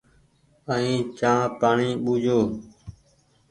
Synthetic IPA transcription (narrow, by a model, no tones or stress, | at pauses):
əĩːt͡ʃãːpaːɳiːɓuːd͡ʒoː